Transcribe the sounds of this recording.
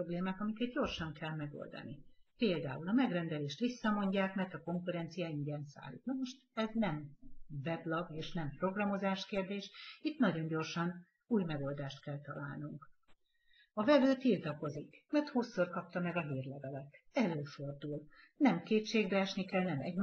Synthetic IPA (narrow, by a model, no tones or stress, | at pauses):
obleːmaːkɒmikɛd̪̚ɟo̞rʃɒŋkɛlmɛɡo̰ld̪ɒ̰nipeːld̪a̰ːulɒmɛɡrɛnd̪ɛleːʃt̪ʋisːɒmo̞ɲɟaːkmɛrt̪ɒko̞ŋkuɾɛnt̪sijaiɲɟɛnsa̰ːlːḭːt̪nɒmo̞ʃt̪ɛznɛmvɛblɒɡeːʃnɛmpro̞ɡrɒmo̞zaːʃkeːrd̪eːʃit̪nɒɟo̞ɲɟo̞rʃɒn | uːjmɛɡo̞ld̪aːʃt̪kɛlt̪ɒla̰ːlnuŋk | ɒvɛvøːt̪irt̪ɒko̞zikmɛrt̪huːsːorkɒp̚t̪ɒmɛɡɒɦiːrlɛvɛlɛt̪ː | ɛløːfo̞rd̪uːl | nɛmkeːtʃeːɡbɛɛʃnikɛlnɛmɛ̰ɟm